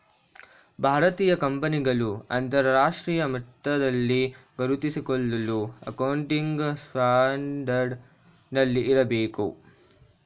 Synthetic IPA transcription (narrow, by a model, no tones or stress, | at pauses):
bʱaːɾɐt̪iːjɐkɐmpɐniɡɐluɐnt̪ɐɾɾaːʂʈɾiːjɐmit̪ːɐd̪ɐlːiɡɐɾut̪isikoɭːɐluɐ̰kɐwɳʈiŋɡsʈaːɳɖɐɾɖ | nɐlːiːɾɐbeːkṵ